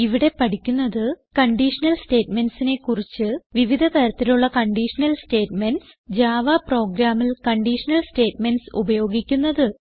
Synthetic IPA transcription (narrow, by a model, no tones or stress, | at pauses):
iʋiɽe̞pɐʈikʲːunːɐðɨkɐɳɖiʂɐnɐlste̞ːʈme̞nɖsine̞kːurit͡ɕːɨʋiʋid̪ʱɐt̪ɐɾɐt̪ːiluɭːɐkɐɳɖiːʂɐnɐlste̞ːʈme̞nɖs | d͡ʑaːʋaːpro̞ːɡɾaːmilkɐɳɖiːʂɐnɐlste̞ːʈme̞nsṵbɐjo̞ːɡikʲːunːɐðɨ